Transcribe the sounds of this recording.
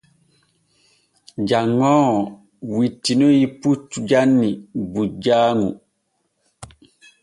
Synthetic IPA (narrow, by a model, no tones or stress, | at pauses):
d͡ʒaŋːɔː | witːinojiput͡ʃːud͡ʒanːibud͡ʒaːŋṵ